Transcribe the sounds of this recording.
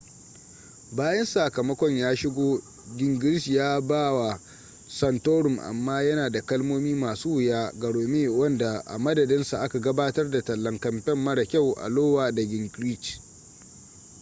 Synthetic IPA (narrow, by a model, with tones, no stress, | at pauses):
baː˦jɐ˦nsa˨kɐ˨mɐ˦kʷɔ˦ɲjaː˦ʃɪ˦ɡʷoː˦ | ɡʲɪ˨ŋɡɪ˦ɾɪ˦sjaː˦baː˦wa˨ | sɐ˨ntoː˦ɾʊ˨mʔa̰˨mːaː˦jɐ˦naː˨da˨kɐ˦lmoː˦miː˦maː˨suː˦wɪ˨jaː˦ɡɐ˨ɽoː˨meː˦wɐ˦nda˨ʔa̰˨mɐ˦dɐ˨dɪ˦nsa˨ʔa˦ka˨ɡɐ˦baː˦tɐ˦rda˨tɐ˨lːɐ˨ŋkɐ˨mpɛ˦mːɐ˦ɽɐ˨kʲa˦˨wʔa̰˨loː˦waː˨da˨ɡʲɪ˨ŋɡɾi˦t͡ʃ